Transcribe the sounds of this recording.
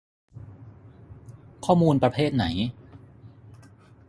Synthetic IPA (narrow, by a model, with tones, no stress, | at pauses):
kʰɔː˥˩muː˧npɾa˧pʰeː˥˩t̪̚na̰˩˦j